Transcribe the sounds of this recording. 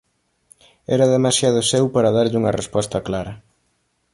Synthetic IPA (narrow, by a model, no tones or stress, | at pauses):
ɛɾɐðemasjað̞ʊsɛwpaɾɐðaɾʎɪuŋɐrespɔst̪ɐklaɾɐ